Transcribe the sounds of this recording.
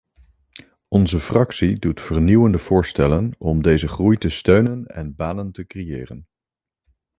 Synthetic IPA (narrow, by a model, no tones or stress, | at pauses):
ɔnzəfrɑksidutfəɹniwəndəv̥ʊːɹstɛlənɔmdejzəχrujtəstøɥnənɛ̰nbaːnəntəkrejɪːrən